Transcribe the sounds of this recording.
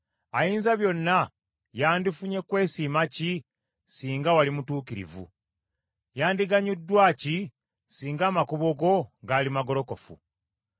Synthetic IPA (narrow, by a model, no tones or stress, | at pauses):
ajiːnzaβjo̞nːa | jaːndifuɲe̞kwe̞ːsiːmaci | siːŋɡawalimutuːkiɾḭvṵ | jaːndiɡaɲudːwaːci | siːŋɡaːmakuβoɡo̞ŋɡaːlimaɡo̞lo̞ko̞fṵ